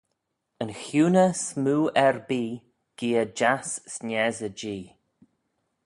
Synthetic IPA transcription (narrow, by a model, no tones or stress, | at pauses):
ənxjuːnəsmuːɛɹbiː | ɡ̥iːəd͡ʒassnɛzəd͡ʒiː